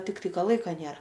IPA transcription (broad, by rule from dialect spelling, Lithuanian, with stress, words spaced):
tʲɪkˈtɐɪ ˈkɐ ˈlˠɐɪkɐ ˈnʲeːrɐ